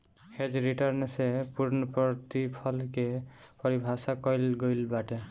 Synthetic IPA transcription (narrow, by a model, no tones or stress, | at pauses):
hed͡ʒɾiʈaɾnsepuɾnɔpɾɔt̪ipʰɔlkepɔɾibʱasakɔjlɡojlbaʈe